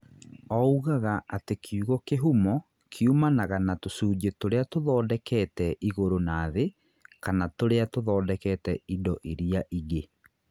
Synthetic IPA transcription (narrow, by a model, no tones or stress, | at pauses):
ɔuɣaɣaatekʰuɣɔkeɦumɔ | kʰeumanaɣanatosuːd͡ʑetoɾeatoðɔːdɛkɛtɛʔiɣoɾonaːðe | kanatoɾeatoðɔːdɛkɛtɛidɔʔiɾiaʔiɣe